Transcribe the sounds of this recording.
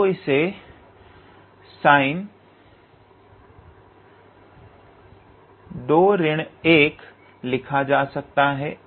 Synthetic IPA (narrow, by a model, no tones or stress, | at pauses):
oɪse | saːɪn | d̪oːɾɪɽ̃eːk | lɪkʰad͡ʒaːsɐk̚t̪aɦɛː